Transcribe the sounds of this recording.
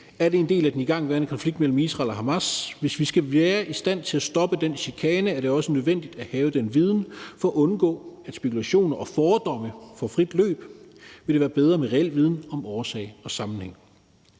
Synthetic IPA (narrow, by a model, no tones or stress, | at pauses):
æɐɾe̝end̥e̝̰ːlæd̥eniɡ̥ɑ̈ŋ̰ʋæːɐnkʰɒ̽nfliɡ̥d̥mel̰m̩isʁɑ̰̈lɒɦɑmæsʋe̝sʋisɡ̥æʋæːɐʔisd̥æn̰t͡sʰe̝læsd̥ɒ̽b̥əd̥enɕikʰɛːnəæɐɾ̥e̝ɒ̽sənøðˠʋen̰d̥id̥æhɛːʊəd̥enʋið̞ˠn̩fɒ̽ːʔɔ̽nɡ̥ɔ̰̽ːæd̥sb̥e̝kulæɕo̝̰ːnɐʔɒfɒːd̥ɒ̽məfɒfʁid̥lø̰ːb̥ʋe̝ɾ̥eʋæːɐb̥eð̞ˠʁɐːmeʁɛel̰ʋið̞ˠn̩ɒ̽mɒːsɛ̰ɪɒ̽sɑ̈mn̩heŋ̰